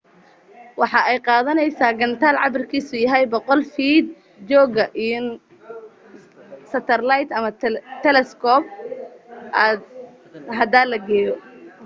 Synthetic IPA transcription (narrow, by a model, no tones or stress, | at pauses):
wɑħɑɛjqɑːðɐnɛjsaːɡɐnt̪ʰaːlʕɑbɪrkʰiːsʊjɐɦɛjbɔqɔlfiːd̪̚ | d͡ʒɔːɣɐʔin | sɐt̪ʰɐrlajt̪ɐmɐt̪ʰɛlɛskʰɔːb̚ | ʔaːd̪̚ | ɦɐd̪aːlɐɡɛːjɔ